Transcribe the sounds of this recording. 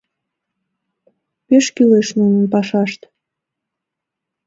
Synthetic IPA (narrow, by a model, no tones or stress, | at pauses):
peʃkileʃnunənpɑʃɑʃt̪